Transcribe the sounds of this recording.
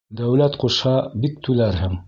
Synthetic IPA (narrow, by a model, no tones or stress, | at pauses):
d̪æwlæt̪quʃhɑbik̚t̪ʰʉlæɾhɘŋ